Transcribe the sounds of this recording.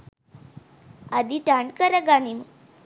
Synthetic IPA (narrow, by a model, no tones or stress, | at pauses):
ad̪iʈaɳɖkəɾəɡanim